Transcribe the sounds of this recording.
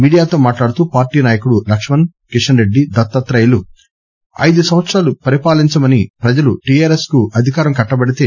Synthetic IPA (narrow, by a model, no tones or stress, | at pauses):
miːɽijaːt̪o̞ːmaːʈlaːɽut̪uːpaːɾʈiːnaːjɐkuɽulɐkʂmɐn | kiʂɐnɾe̞ɖːid̪ɐt̪ːɐt̪ɾɐjlu | ɐ̰jd̪usɐmʋɐt̪sɾaːlupɐɾipaːliɲt͡ʃɐmɐnipɾɐd͡ʒɐluʈiaːɾe̞skuʔɐd̪ʱikaːɾɐmkɐʈːɐbɐɽit̪e̞ː